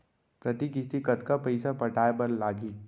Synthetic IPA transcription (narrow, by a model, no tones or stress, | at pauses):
pɾɐt̪ikɪst̪ikɐt̪kapɐɪsapɐʈʰaːebɐɾlaːɡiː